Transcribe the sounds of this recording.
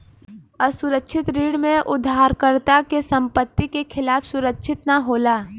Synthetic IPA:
əsʊɾəkʃʰɪt̪ɾiːɽmẽʔʊd̪ʱːaːɾkəɾt̪akesɐ̃mpət̪ːikekʰɪlaːfsʊɾəkʃʰɪt̪naɦoːlaː

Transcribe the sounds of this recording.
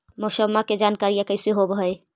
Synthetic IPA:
mosəmːaked͡ʒankaɾijɛkəɪseɦobɦəj

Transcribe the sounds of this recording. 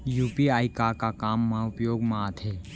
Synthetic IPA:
juːpiaːikakakaːmːãʊpjoːɡmãːt̪ɦeː

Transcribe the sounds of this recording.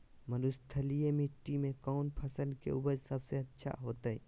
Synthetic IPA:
mənust̪ʰəlijemɪʈːimẽkɔːnpʰɐsəlkḛʊbəd͡ʒsɐbseɐtːʃʰa̰ɦoːt̪aɛ̰

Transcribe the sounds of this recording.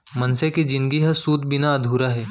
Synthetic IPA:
mɐnseked͡ʒɪ̃nɡiɦɐsuːt̪bɪnaɐd̪ʱuːɾaɦɛː

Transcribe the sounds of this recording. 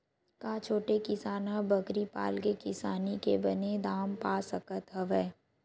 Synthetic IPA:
kaːt͡ʃʰoːʈekɪsaːnãbɐkɾipa̰ːlkekɪsaːnikebɐned̪aːmpaːsəkət̪ɦɐʋɛː

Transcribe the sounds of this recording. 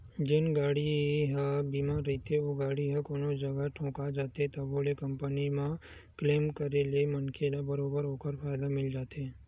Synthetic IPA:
d͡ʒenɡaːɽiɦbimaɾɦit̪eoɡaːɽiɦəkoːnod͡ʒəɡaʈʰõːkad͡ʒaːt̪et̪əbolekəmpənimã | kleːmkəɾelemənkʰelabəɾoːbəɾoːkəɾfʰaːjd̪amɪld͡ʒaːt̪e

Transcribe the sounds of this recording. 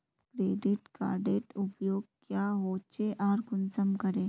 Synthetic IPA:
kɾeːɖiʈka̰ːɾɖeːʈupjoːɡ̚kjaɦot͡ʃeʔaːɾɡʊnsəmkəɾeː

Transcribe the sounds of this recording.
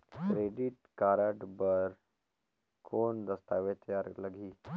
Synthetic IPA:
kɾeːɖiʈkaːɾəʈbəɾ | kʰoːnd̪ɐst̪aʋet̪jaɾləɡʱiː

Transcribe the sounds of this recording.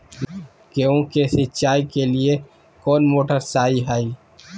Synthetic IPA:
keũkesɪt͡ʃaːikelie | kɔːnmoːʈəɾsaːiɦaːi

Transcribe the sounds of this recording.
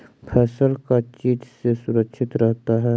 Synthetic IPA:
pʰɛːsəlkat͡ʃiːd͡ʒʱsesʊɾəkʃʰɪt̪ɾɛɦt̪aɦɛː

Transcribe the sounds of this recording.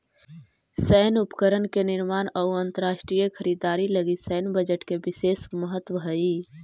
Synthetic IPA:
sɛːnupə̥kəɾənkenɪɾmaːnɔuənt̪əɾaːʃʈɾijəkʰəɾiːd̪aːɾiləɡisɛːnbəd͡ʒəʈkebɪseːsməɦət̪wəɦəi

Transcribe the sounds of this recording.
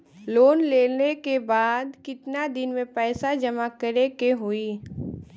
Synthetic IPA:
loːnleːnekebaːd̪kɪt̪nad̪ɪnmẽpɛːsad͡ʒɐmakəɾekeɦʊiː

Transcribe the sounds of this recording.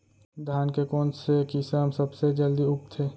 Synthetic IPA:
d̪ʱaːnkekɔːnsekisaəmsəbsed͡ʒəld̪iʊk̚t̪ʰeː

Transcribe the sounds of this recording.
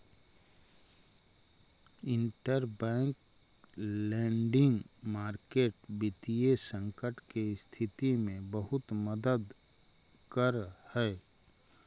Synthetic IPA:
ɪ̃ɳʈəɾbɛ̃ːŋk | lɛ̃ːɳɖɪ̃ŋɡmaːɾkeːʈbit̪iesə̃ŋkəʈkest̪ʰɪt̪imẽbəɦʊt̪məd̪əd̪ | kəɾhɛː

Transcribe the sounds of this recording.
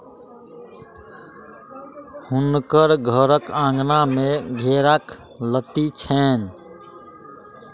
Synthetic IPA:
hunkəɾɡʱəɾəkãŋɡnameɡʱeɾak | lət̪it͡ʃʰɛn

